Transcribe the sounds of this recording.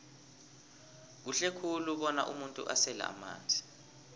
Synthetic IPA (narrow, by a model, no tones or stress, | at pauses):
k̬uɬekʰuluɓɔna̰ʔṵmuntʼṵʔasɛla̰a̰ma̰ːnd͡zʱi